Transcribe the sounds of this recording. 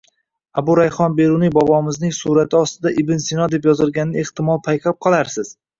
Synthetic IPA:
abʊɾajχɒnbe̞ɾunɪŋbɒbɒmɪznɪŋsuɾat̪ʰɪɒst̪ɪd̪aʔɪbɪnsɪnɒd̪e̞pjɒzɪlˠɡʲanɪneht̪ɪmɒlˠpʰajqʰap̚qʰɒlˠaɾsɪz̥

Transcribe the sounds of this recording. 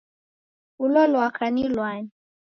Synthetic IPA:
ulɔlwakanilwani

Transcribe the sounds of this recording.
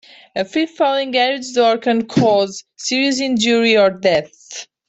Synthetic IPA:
ɨfifɔlɪ̃ŋɛɹid͡ʒdɔɹkə̃nkʰɔzsiɹiɨz̬ɪ̃nd͡ʒuɹiɔɹdɛθ

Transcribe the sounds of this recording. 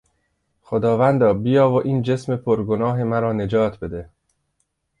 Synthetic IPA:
xod̪ɒːvænd̪ɒːbijɒːvoʔiːnd͡ʒe̞smepʰoɾɡonɒːɦe̞mæɾɒːne̞d͡ʒɒːt̪ʰbe̞d̪e

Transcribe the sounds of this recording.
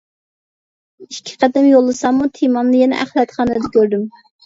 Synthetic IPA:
iʃkʲʰːɪ̥qʰæd̪ɛmjolˠːɨsɑmːut̪ʰemɑnːɨjɛnɛ̰ʔæχlɛt̪χɑːnɨd̪ɛkʲʰøɾd̪ym

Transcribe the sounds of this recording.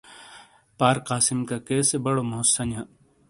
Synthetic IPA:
paːɾqaːsimkakeːsebɐɽomosːɐnja

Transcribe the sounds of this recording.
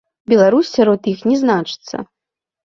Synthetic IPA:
bʲɛlˠaɾusːʲaɾɔt̪jixnʲɛznat͡ʂɨ̥t̪sːɐ̰

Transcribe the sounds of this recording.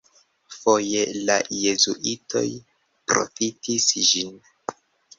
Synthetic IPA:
fo̞jelaje̞zṵʔitʰo̞̰j | pɾo̞̰fitʰisd͡ʒin

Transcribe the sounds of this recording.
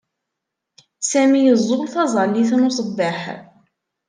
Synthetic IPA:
sæmijəzˤːolθɑzˤɑlːiθnosˤəbːeħ

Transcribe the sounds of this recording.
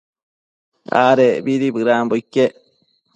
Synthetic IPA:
a̰ːɾebiɾibɨɾaːmboikːe

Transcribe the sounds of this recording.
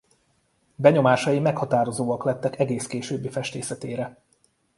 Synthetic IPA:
bɛɲo̞maːʃɒjimɛkhɒt̪aːɾo̞zoːɒklɛt̪ːɛkɛɡeːskeːʃøːbːifɛʃt̪eːsɛt̪eːɾɛ

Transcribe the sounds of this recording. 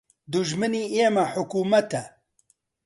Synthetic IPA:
d̪uʒmɨniːeːmɐħʊkuːmɐt̪ɐ

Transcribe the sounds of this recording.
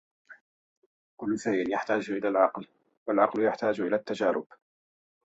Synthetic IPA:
kʊlːʊsajʔɪnjaħt̪aːd͡ʒʔɪlaːlʕɑql | walʕɑqljaħt̪aːd͡ʒʔɪlaːt̪ːad͡ʒaːɾʊ̰b̥

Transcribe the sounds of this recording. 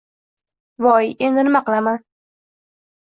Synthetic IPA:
vɒje̞nd̪ɪnɪmaqɨlˠaman

